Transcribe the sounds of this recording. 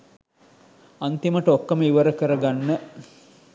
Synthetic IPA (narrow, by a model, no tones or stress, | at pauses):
ant̪iməʈəokːəməiʋəɾəkəɾəɡanːə